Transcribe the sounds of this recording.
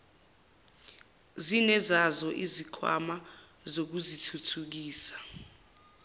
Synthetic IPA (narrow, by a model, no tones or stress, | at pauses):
zinɛzazɔʔizikʰwa̰ma | zok̬uzitʰutʰuk̬iːsḁ